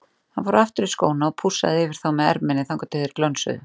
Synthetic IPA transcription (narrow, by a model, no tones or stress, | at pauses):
hanfɔːɾʏaft̪ʏɾisko̰ːwnaɔpʰusa̰ðɪɪvɪɾ̥θawmɛðɛ̰ɾpmɪnɪθaŋkɔt̪ɪðɪɾ̥klœnsʏ̰ðʏ